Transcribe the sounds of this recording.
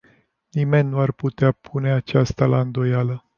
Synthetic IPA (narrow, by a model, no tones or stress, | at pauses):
nime̞nʲːuarput̪eapʰune̞at͡ʃast̪alaɨnd̪o̞jalə